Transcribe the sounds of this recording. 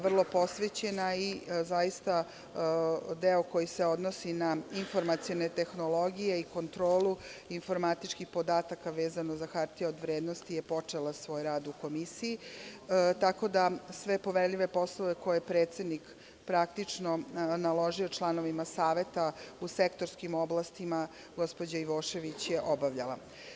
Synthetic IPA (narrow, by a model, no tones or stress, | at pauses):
ʋr̩lˠo̞po̞sʋet͡ɕe̞naizajist̪a | d̪eoko̞jise̞o̞d̪nosinainfo̞ɾmat̪sionet̪e̞xno̞lo̞ɡijeiko̞nt̪ɾo̞ːluiɱfo̞ɾmat̪it͡ʃkixpo̞d̪aːt̪akaʋeːzano̞zaxaɾt̪ieod̪ʋɾeːd̪nost̪ijepo̞t͡ʂelasʋo̞ːjɾaːd̪uko̞misiji | t̪ako̞d̪asʋe̞po̞ʋeɾʎʲiʋe̞po̞slˠoʋe̞ko̞jepɾeːt̪sed̪nik | pɾak̚t̪it͡ʂnonalo̞ʒio̞t͡ʃlˠano̞ʋimasaːʋe̞t̪ausekt̪o̞ɾskimo̞blˠast̪ima | ɡo̞spod͡ʑaiʋo̞ːʃe̞ʋit͡ɕjeʔo̞baʋʎala̰